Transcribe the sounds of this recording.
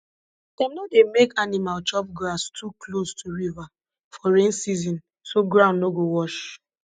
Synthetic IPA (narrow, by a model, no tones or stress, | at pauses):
d̥ɛmnodemekanimalt͡ʃɔp̚ɡɹastʰuklostʰuɹiva | fɔɹẽnsizɔ̃n | soɡɹãʊ̃nnoɡowɔʃ